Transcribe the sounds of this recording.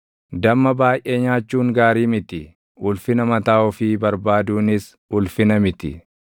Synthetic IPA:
d̪ɐmːɐbaːjʔeːɲaːt͡ʃːuːŋɡaːɾiːmɪt̪ɪ | ʊlfɪnɐmɐt̪aːɔfɪːbɐɾbaːd̪uːnɪs | ʊlfɪnɐmɪt̪ɪ̰

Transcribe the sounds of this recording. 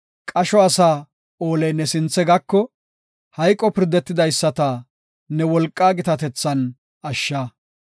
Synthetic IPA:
kʼɐʃɔɐsaː | o̞ːlɛjnɛsɪnt͡sːɛɡɐkːɔ | hɐjkʼːɔpɪɾd̪ɛt̪ːɪd̪ɐjsːɐt̪ɐ | nɛwɔlkʼːaːɡɪt̪ɐt̪ɛt͡sːɐn | ɐʃːɐ

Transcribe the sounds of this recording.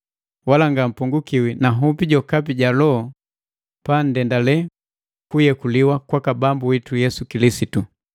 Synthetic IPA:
walaŋɡam̩puŋɡukiwinaɦupiɟɔkapiɟalɔ | pan̩dɛndalɛ | kujɛkuliwakwakabambuwitujɛsukilisitu

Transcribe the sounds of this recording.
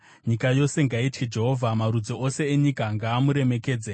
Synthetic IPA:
ɲikajo̞se̞ŋɡaitʰid͡ʒe̞ɦo̞vʱamaɾud͡zoʔose̞ːɲikaŋɡaːmuɾe̞me̞ke̞ːd͡ze

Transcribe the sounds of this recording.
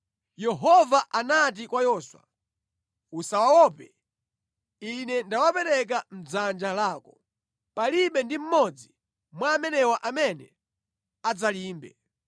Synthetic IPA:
jɛɦɔvaʔanat̬ikwajɔːswa̰ | usawawɔpɛ | inɛndawapɛɾɛk̬am̩d͡zand͡ʒalaːkɔ | paliɓɛndim̩mɔd͡zi | mwaːmɛnɛwaʔamɛnɛ̰ | ad͡zaliːmbɛ̰

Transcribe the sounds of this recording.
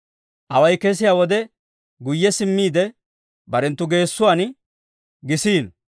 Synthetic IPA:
ʔɐwɐjkɛs̬ɪjaːwɔd̪ɛ | ɡʊjːɛsɪmːiːd̪ɛ | bɐɾɛnt̪ːʊɡe̞ːsːʊwaːn | ɡɪsiːn

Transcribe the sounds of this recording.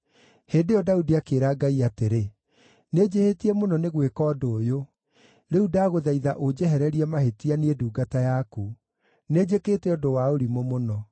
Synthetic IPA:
heːndeɔdaudiakeːɾaːɡaiateɾe | ned͡ʑehetiɛmonɔneɣwekɔːdoːjo | ɾeudaːɣoðaiða̰ʔod͡ʒɛɦɛɾɛɾiɛmahetianeeduːɡatajaku | ned͡ʑekeːtɛɔdowaoɾimomonɔ

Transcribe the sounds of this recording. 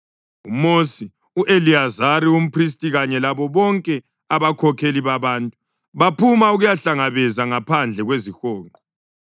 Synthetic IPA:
umosi | uʔeliazaɾium̩pʰris̬tʼiɣaɲɛlaβɔβɔŋkʼɛ | aβakʰɔkʰeliβaβaːntʼu | βapʰumauɣujaɬaŋaβɛzaŋapʰand͡ɮʱɛɣwezixɔːŋʱɔ

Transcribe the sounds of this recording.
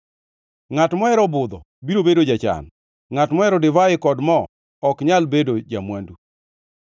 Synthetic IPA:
ŋatmɔɛɾɔbʊd̪ɔ̰ | biɾobedod͡ʒat͡ʃa̰n | ŋatmɔɛɾɔdɪvaɪkɔdmɔː | kɲalbedod͡ʒamwandu

